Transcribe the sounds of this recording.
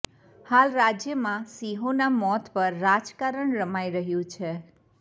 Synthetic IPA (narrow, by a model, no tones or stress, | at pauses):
halɾad͡ʒjəmãsiɦonamɔt̪pəɾːad͡ʒkaɾəɳɾəmaiɾəɦjũt͡ʃʰe